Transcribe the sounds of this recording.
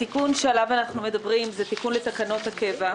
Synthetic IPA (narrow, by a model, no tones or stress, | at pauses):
tikunʃealavanaχnume̞dabʁimzet̪ikunle̞t̪akano̞t̪hake̞va